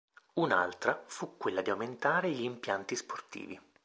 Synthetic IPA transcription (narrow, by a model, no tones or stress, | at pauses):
una̰lt̪ɾafukːwelːad̪iawment̪aːɾeʎimpjant̪isport̪ḭːvi